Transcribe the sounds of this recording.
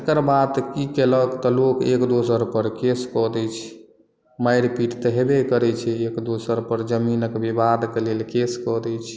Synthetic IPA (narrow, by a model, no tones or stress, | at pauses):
kəɾbat̪kikeləkt̪ɔlokekd̪osəɾpəɾkeskɔd̪ɛt͡ʃʰɛ̥ | majɾpiʈt̪əɦebekəɾɛt͡ʃʰɛekd̪osəɾpəɾd͡ʒəminəkbibad̪kelelkeskɔd̪ɛt͡ʃʰ